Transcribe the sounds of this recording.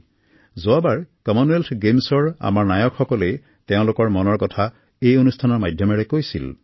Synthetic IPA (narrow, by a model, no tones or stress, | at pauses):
zoabaɹkɔmɔnueltɡemsɔɹa̰maɹnajɔkxɔkɔlej | teʊ̃lʊkɔɹmɔnɔɹkɔtʰa | ejonustʰanɔɹmajdʱjɔmɛɹɛkojsḭl